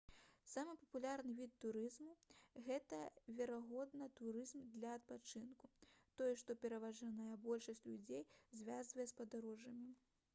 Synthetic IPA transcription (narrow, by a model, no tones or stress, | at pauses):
samɨpɐpulʲaɾnɨvʲit̪ːuɾɨzmuɣɛt̪ɐvʲɛɾaɣɔd̪nɐt̪uɾɨzmd̪lʲɐɐt̪̚pat͡ʂɨnkut̪ɔjɛʂt̪ɔpʲɛɾɐvaʐanɐjɐbɔlʲʂɐsʲt͡sʲlʲud͡zʲejzʲvʲazvɐjɛspɐd̪aɾɔʐɐmʲi